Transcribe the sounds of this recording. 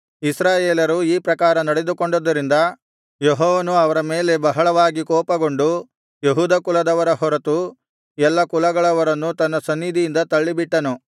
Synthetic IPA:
isɾaːjeːlɐɾuiːpɾɐkaːɾɐnɐɽed̪ukoɳɖod̪ːɐɾind̪ɐ | jeɦɔːʋɐnuɐʋɐɾɐmeːle̞bɐɦɐɭɐʋaːɡikɔːpɐɡo̞ɳɖu | jeɦuːd̪ɐkulɐd̪ɐʋɐɾɐɦɔɾɐt̪u | jɛlːɐkulɐɡɐɭɐʋɐɾɐnːut̪ɐnːɐsɐnːid̪ʱijind̪ɐt̪ɐɭːibiʈːɐnu

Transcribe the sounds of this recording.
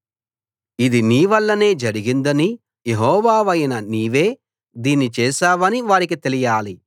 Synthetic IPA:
id̪iniːʋɐlːɐne̞ːd͡ʒɐɾiɡind̪ɐni | jeɦɔːʋaːʋɐjnɐniːʋe̞ː | d̪iːnit͡ʃɛːʃaːʋɐniʋaːɾik̬it̪elijaːli

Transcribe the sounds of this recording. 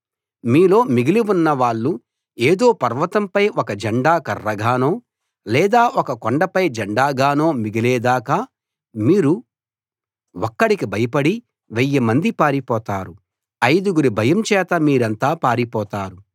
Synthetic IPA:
miːlo̞ːmiɡiliʋunːɐʋaːɭːu | eːd̪o̞ːpɐɾʋɐt̪ɐmpɐjɔkɐd͡ʒɐɳɖaːkɐrːɐɡʱaːnoː | lɛːd̪aːɔkɐkoɳɖɐpɐjd͡ʒɐɳɖaːɡaːnoːmiɡilɛːd̪aːkaː | miːɾu | ɔkːɐɽikibʱɐjɐpɐɽi | ʋɛjːɐmɐnd̪ipaːɾipɔːt̪aːɾu | ɐjd̪uɡuɾibʱɐjɐmt͡ʃɛːt̪ɐmiːɾɐnt̪aːpaːɾipɔːt̪aːɾu

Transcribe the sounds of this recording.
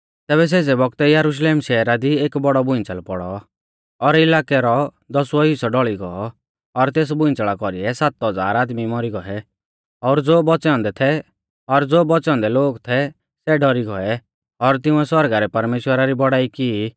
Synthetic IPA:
t̪ɛːbɛs̬eːd͡zɛbɔk̚t̪ɛjɐɾuʃ̬leːmʃɛːɾad̪ieːkbɔɽɔbʊ̃ɪ̃nt͡səlpɔɽɔ | ɔɾɪlaːkɛɾɔ | d̪ɔsuɔɦisɔɖɔɭiɡɔɔ | ɔɾt̪eːs̬bʊ̃ɪ̃t͡sɭakɔɾiɛsat̪ɦɔd͡za̰ːɾaːd̪mimɔɾiɡɔɛ | ɔɾd͡zoːbɔt͡sɛɔ̃nd̪ɛt̪ʰɛ | ɔɾd͡zoːbɔt͡sɛɔ̃nd̪ɛloːɡt̪ʰɛ | sɛɖɔɾiɡɔɛ | ɔɾt̪ɪ̃ũɛswɔɾɡaɾɛpɐɾmeːʃwəɾaɾibɔɽaːiki

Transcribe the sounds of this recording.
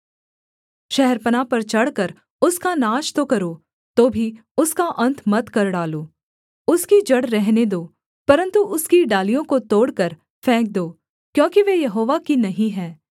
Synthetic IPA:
ʃɛɦɛɾpənapɐɾt͡ʃɐɽkəɾ | ʊskanaːʃt̪okɐɾoː | t̪oːbʱi | ʊskaʔɐ̃nt̪ʰmɐt̪kɐɾɖaːloː | ʊskid͡ʒɐɽɾɛɦned̪oː | pɐɾə̃nt̪uʔʊskiɖaːlijõkot̪oːɽkɐɾ | fʰɛ̃ːk̚d̪oː | kjõːkiʋejɐɦoːʋakinɐɦĩɦɛː

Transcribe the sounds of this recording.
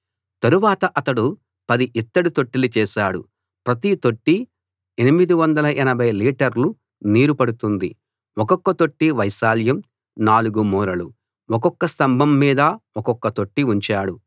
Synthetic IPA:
t̪ɐɾuʋaːt̪ɐʔɐt̪ɐɽu | pɐd̪iʔit̪ːɐɽut̪o̞ʈːilut͡ʃɛːsaːɽu | pɾɐt̪it̪o̞ʈːi | enimid̪iʋɐnd̪ɐlɐʔɛnɐbʱɐjliːʈɐɾlu | niːɾupɐɽut̪und̪ḭ | ɔkɔkːɐt̪o̞ʈːiʋɐjsaːljɐm | naːluɡumɔːɾɐlu | ɔkɔkːɐst̪ɐmbʱɐmːiːd̪ɐɔkɔkːɐt̪o̞ʈːiuɲt͡ʃaːɽu

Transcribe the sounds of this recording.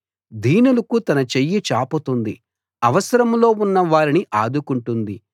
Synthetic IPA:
d̪ʱiːnulɐkut̪ɐnɐt͡ʃejːit͡ʃaːpɐt̪und̪i | ɐʋɐsɐɾɐmlo̞ːunːɐʋaːɾiniʔaːd̪ʱukuɳʈund̪i

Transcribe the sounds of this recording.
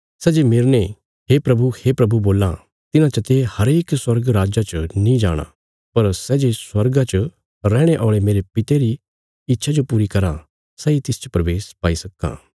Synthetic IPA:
sɛːd͡ʒemɪɾñe | ɦeːpɾɐbuheːpɾɐbuboːlã | t̪ɪnãt͡ʃɐt̪ehɐɾeːkswɐɾɡɾaːd͡ʒat͡ʃənĩd͡ʒa̰ːɽ̃ã̰ | pɐɾsɛːd͡ʒeswɐɾɡãt͡ʃə | ɾɛːɽ̃eʔɔːɭemeːɾepɪt̪eɾi | ɪtːʃʰad͡ʒopuːɾikɐɾa | sɛːit̪ɪst͡ʃə̥pɾɐʋeːspaːisɐkːã̰ː

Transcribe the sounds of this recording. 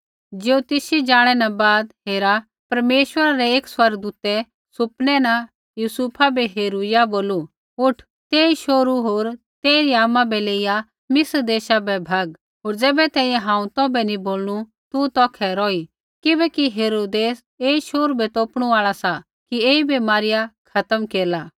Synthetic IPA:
d͡ʒeːut̪ɪsid͡ʒaːɽ̃ɛnabaːd̪ɦeːɾa | pɐɾmeːʃwəɾaɾɛeːkswɐɾɡ̚d̪uːt̪ɛ | sʊpnɛna | jusuːpʰabiɦeːɾujaboːlu | ʊʈʰ | t̪eːiʃoːɾuɦoːɾ | t̪eːɾiaːmãbɛleːija | mɪsɾd̪eːʃabɛbʱaːɡ | ɦoːɾd͡zɛːbɛt̪ɛ̃ːĩjɛ̃ɦãːũt̪ɔbɛniboːlnu | t̪ut̪ɔːkʰɛɾɔːi | kɪbɛkiɦeːɾoːd̪eːs | eːiʃoːɾubɛt̪oːpɽ̃uaːɭasa | kieːibemaːɾɪjakʰɐt̪əmkeːɾlaː

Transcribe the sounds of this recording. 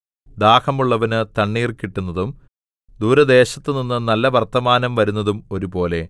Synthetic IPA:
d̪aːhɐmuɭːɐʋɐnɨt̪ɐɳːiːrkiʈːunːɐðum | d̪uːɾɐd̪e̞ːɕɐt̪ːɨninːɨnɐlːɐʋɐrt̪ɐmaːnɐmʋɐɾunːɐðumo̞ɾupo̞ːle̞

